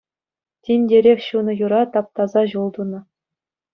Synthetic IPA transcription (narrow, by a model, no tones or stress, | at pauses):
tʲinʲdʲeɾʲexʲɕunɤ̆juɾɑt̪ɑp̚t̪ɑzɑʑulˠd̪unɤ̆